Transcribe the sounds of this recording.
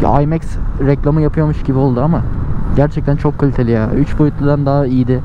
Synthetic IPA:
a̰jmɛksɾɛclʲˠamɯjapʰɯjomuʃɟibio̞lˠd̪uamaɟæɾt͡ʃʰɛc̚t̪ʰænt͡ʃʰo̞kʰːalʲit̪ʰe̞lʲijaːyt͡ʃbo̞jut̪lˠad̪and̪aːijid̪ɪ

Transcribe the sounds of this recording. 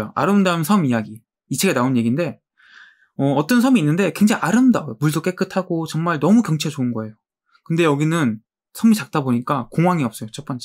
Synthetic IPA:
joa̰ɾɯmdaɯnsʰʌmijaɡiː | t͡ɕʰeɡenaonje̞ɡinde̞ | ʌʌt͈ʌnsʰʌmiːnːɯnde̞kwe̞ŋd͡ʑaŋaɾɯmdaojomuɭdok͈e̞k͈ɯtʰaɡot͡ɕʌŋmaɭnʌmukjʌŋt͡ɕʰet͡ɕoɯnɡʌe̞jo | kɯnde̞jʌɡinɯn | sʰʌmit͡ɕak̚t͈aboɲik͈akoŋɦwaŋiʌps͈ʌjot͡ɕʰʌp͈ʌnt͡ɕ͈e

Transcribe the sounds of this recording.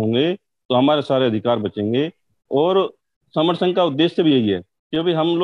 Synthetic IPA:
õːŋɡe | t̪oɦɐmaːɾesaːɾeɐd̪ʱɪkaːɾbɐt͡ʃẽːŋɡe | ɔːɾ | sɐməɾsəŋkaʊd̪ːeːsːebʱijeɦiɦɛ̰ː | kjoːbiɦɐml

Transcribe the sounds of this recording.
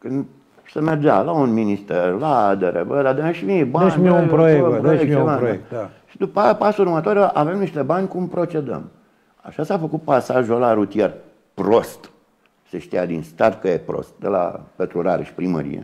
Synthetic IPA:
kɨnd̪ | semerd͡ʒalaunminist̪erlad̪eɾʔḛbəd̪ad̪eʃmibaeʃnʲmiupɾojeəpɾojek̚laoeaʃid̪upəapasəurmət̪oɾəʔave̞mniʃt̪e̞banʲkumpɾo̞t͡ʃe̞d̪ə̰m | a̰ʃasafəkut̪̚pasaʒolaɾut̪ier | pɾo̞st̪ | seʃt̪ijad̪inst̪art̪̚kəjepɾo̰st̪̚d̪ḛla̰pet̪ɾulaɾḛʃi̥pɾimə̰ɾḭjḛ

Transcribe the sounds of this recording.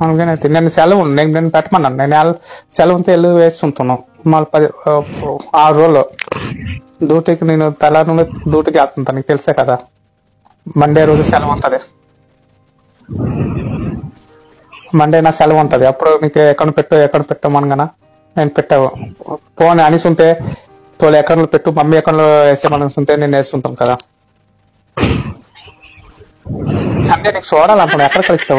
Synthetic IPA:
ɐnɡenet̪ineːnusɛlɐʋunneːnneːnupɛʈːɐmɐnːɖanneːnɛlsɛlɐʋɐnt̪eelːuʋeːst̪unt̪unːu | maːlpɐi | aːɾoːlːo | d̪uːʈikineːnut̪ɐlanud̪uːʈikaːst̪unt̪aniːkt̪eliseːkɐd̪aː | mɐɳɖeːɾoːd͡ʒusɛlɐmɐnt̪ɐd̪i | mɐɳɖeːnaːksɛlɐmɐnt̪ɐːd̪iɐpːuɽuniːkɛkːɐlupeʈːuɛkːɐɽɳlupɛʈːaːʋmɐnɐŋɡɐna | neːnupɛʈːaːʋupoːnɐnisunt̪eː | t̪oːliɛkːɐlopeʈːumɐmːiɛkːɐɳloeːseːmɐnɐsunt̪eneːnueːst̪unt̪aːnkɐd̪aː | sɐnd̪aniːku̥sɔːɽaːlɐɳʈ̪uɳːɖɐɛkːɐɽɐkɐlist̪aː

